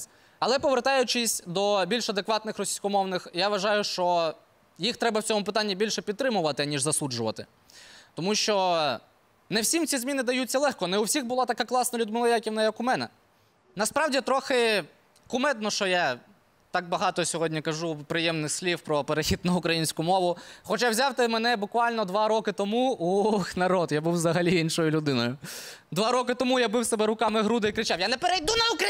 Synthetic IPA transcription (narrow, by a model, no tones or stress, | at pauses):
ɐlˠɛpɔʋert̪ɑjʊt͡ʃɪsʲd̪ɔbʲilʲʃɐd̪ekʋɑt̪nɪxrɔsʲijsʲkɔmɔwnɪxjaʋɐʒɑjʊʃt͡ʃɔ | jixt̪ɾɛbɐwt͡sʲɔmʊpɪt̪anʲːibʲilʲʃɛpʲid̪t̪ːɾɪmʊʋɐt̪ɪɐnʲiʒzɐsud͡ʒʊʋɐt̪ɪ | t̪ɔmuʃt͡ʃɔ | nɛwsʲimt̪t͡sʲizmʲinɪd̪ɐjutʲt͡sʲːɐlˠɛxkɔnɛʊwsʲiɣbʊlˠɑt̪ɐkaklˠɑsnɐlʲʊd̪mɪlˠɐjakʲiwnɐjɐkʊmɛnɛ̰ | nɐspɾɑwdʲit̪ɾɔxɪ | kʊmɛd̪̚nɔʃt͡ʃɔja | t̪ɑk̚bɐɦɑt̪ɔsʲɔɦɔdʲnʲikɐʒupɾɪjɛmnɪxsʲlʲiwpɾɔpeɾexʲid̪nɐʊkɾɐjinʲsʲkʊmɔʋʊxɔt͡ʃawzʲawt̪ɪmɛnɛbʊkʋɑlʲnɔd̪ʋɑɾɔkɪt̪ɔmuunɐɾɔd̪jabuwzɐɦɐlʲiinʃɔjʊlʲʊd̪ɪnɔjʊ | d̪ʋɑɾɔkɪt̪ɔmujabɪwsebɛɾʊkɑmɪɦɾud̪ɪikɾɪt͡ʃɑwjanɛpeɾejd̪unɐuk